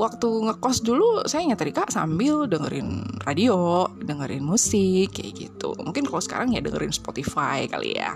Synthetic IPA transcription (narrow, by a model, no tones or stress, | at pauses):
wak̚t̪uŋəkɔsdulusajaɲat̪əɾikaʔsambɪldəŋəɾɪ̰nradiodəŋəɾɪ̰nmusɪkja̰ɡḭt̪ṵmuŋkɪnkalosə̥ka̰ɾaŋjadəŋə̰ɾɪnspot̪ifajka̰lḭja̰